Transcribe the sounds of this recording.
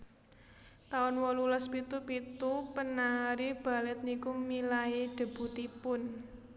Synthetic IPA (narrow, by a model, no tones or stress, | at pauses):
t̪aʊnwɔlulɔspit̪upit̪upənaɾib̥a̤lɛt̪̚nikumilaiɖ̪̥ə̤b̥ṳt̪ipʊn